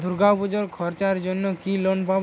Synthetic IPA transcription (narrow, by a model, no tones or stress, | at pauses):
d̪ʱuɾɡapud͡ʑoɾkʰɔɾt͡ɕaɾd͡ʑonːokilonbʱab